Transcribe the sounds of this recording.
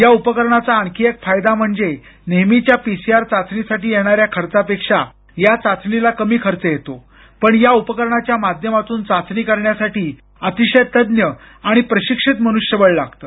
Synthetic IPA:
jaupəkəɾɳat͡saəŋkʰiekfajd̪am̤əɳd͡ze | nemit͡ɕjapisiaɾt͡sat͡sɳisaʈiːjeɽ̃aɾjakʰəɾt͡sapekʂa | jat͡sat͡sɳilakəmiːkʰəɾt͡səjet̪o | pəɳjaupəkəɾɳat͡ɕjamad̪ʱjəmat̪uːnt͡sat͡snikəɾɳjasaʈiː | ət̪iɕəjt̪əd̪njə | aɽ̃ipɾəɕikʂit̪məñuʂjəʋəɭlaɡt̪əː

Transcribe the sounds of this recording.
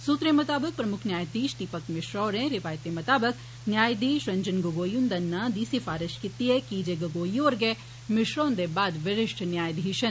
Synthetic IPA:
suːt̪ɾẽmɐt̪aːbək̚pɾɐmʊkʰnʲjaːjd̪iːʃt̪ipɐkmɪʃɾɔːɾẽɾɪʋaːjət̪ːemɐt̪aːbək̚ | njaːjd̪iːʃɾɐɲd͡ʒənɡɐɡoːjund̪ɐnːad̪iːsifaːɾɪʃkɪt̪ːiɦɛkiːd͡ʒeɡɐɡoːjoːɾɡɛː | mɪʃɾoːnd̪ebaːd̪ʋɪɾɪʃʈʰnjaːjd̪iiʃɐn

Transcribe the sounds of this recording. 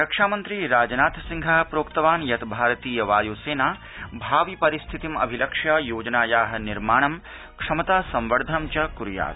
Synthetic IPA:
ɾɐkʂaːmɐnt̪ɾiɾaːd͡ʒɐnaːt̪siŋɡʱaːpɾoːkt̪ɐʋaːnjɐt̪bʱaːɾɐt̪iːjɐʋaːjoːseːnaː | bʱaːʋipɐɾist̪ʰit̪imɐ̰bʱilɐkʂɐjoːd͡ʒɐnaːjaːɦɐ̆niɾmaːɳ̃ɐm | kʂɐmɐt̪aːsɐmʋɐɾd̪ʱɐmt͡ʃɐkuɾja̰ːt̪

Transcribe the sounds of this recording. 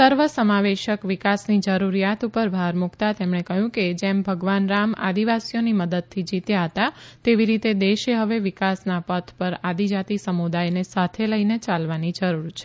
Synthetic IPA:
səɾʋəsəmaʋeʃəkʋikasnid͡ʒəɾuɾijat̪upəɾbʱaɾmukt̪at̪emɳekəɦjũked͡ʒembʱəɡʋanɾama̰d̪iʋasijoniməd̪əd̪̚t̪ʰːid͡ʒit̪jaɦət̪at̪eʋiɾit̪ed̪eʃeɦəʋeʋɪkasnapət̪ʰpəɾad̪id͡ʒat̪isəmud̪ajnesat̪ʰeləinet͡ʃalʋanid͡ʒəɾuɾt͡ʃʰe̥

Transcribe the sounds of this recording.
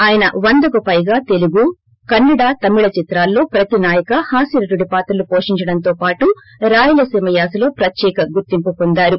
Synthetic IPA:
aːjɐnɐʋɐnd̪ɐkupɐjɡaːt̪e̞luɡu | kɐnːɐɽaːt̪ɐmiɭɐt͡ʃit̪ɾaːlːo̞ːpɾɐt̪inaːjɐkɐhaːsiɾɐʈ̪uɽipaːt̪ɐlupoːʂiɲt͡ʃɐɽɐnt̪o̞ːpaːʈu | ɾaːjulɐsimɐjaːsɐlo̞ːpɾɐt̪jɛːkɐɡuɾt̪impupond̪aːɾu

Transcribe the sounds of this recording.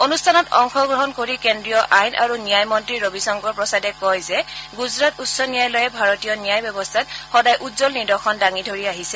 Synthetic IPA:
onustʰanɔtɔ̰ŋxɔɡɹɔɦɔnkoɹikendɹijɔʔajnʔa̰ɹunijajmɔntɹiɹobisɔŋɡɔɹpɹɔsadɛkɔjzɛɡuzɹatutsɔnijajlɔjɛbʱaɹɔtijɔnijajbɔbɔstʰatxɔdajʔutzɔlnidɔxʰɔndaŋidʱoɹiaɦisɛ

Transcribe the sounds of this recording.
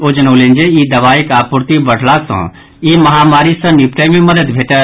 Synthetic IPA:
oːd͡ʒənoːlẽnd͡ʒeid̪ɐʋaːikaːpuɾt̪ibəɽ̤lasə̰̃ | imɐɦaːmaːɾisə̃nipʈemẽməd̪əd̪bʱeːʈə

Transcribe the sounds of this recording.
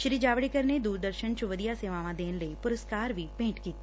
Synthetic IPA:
ʃɾiːd͡ʒaːʋɽikəɾned̪uːɾd̪əɾʃənt͡ʃʊʋəd̪ijaseːʋaːʋãd̪eːnləipʊɾəskaːɾʋʱipẽːʈkiːt̪ː

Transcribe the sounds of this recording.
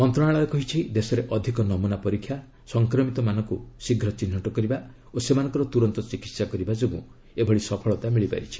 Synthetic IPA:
ɔnt̪ɾɔɽ̃aɭɔekɔɦit͡ʃʰid̪esɔɾeʔɔd̪ʱikɔnɔmunapɔɾikʰːja | sɔŋkɾɔmit̪ɔmanɔŋkusiɡʱɾɔt͡ʃin̤ːɔʈɔkɔɾiba | osemanɔ̃ŋkɔɾɔt̪uɾɔnt̪ɔt͡ʃikit̪sakɔɾibad͡ʒobũ | ebʱɔɭisɔpʰɔɭɔt̪amiɭipa̰ɾit͡ʃʰi̥

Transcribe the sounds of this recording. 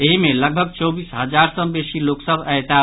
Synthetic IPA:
eɦimeləɡ̚bʱəɡ̚t͡ʃɔbisɦəd͡ʒaɾsəbesiloksəbɛjt̪a

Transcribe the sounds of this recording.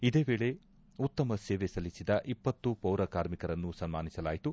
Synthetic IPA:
id̪e̞ːbe̞ːɭe̞ | ut̪ːɐmɐseːʋesɐlisid̪ɐʔipːɐt̪ːupɐwɾɐkaːɾmikɐɾɐnːusɐnmaːnisɐlaːjit̪u

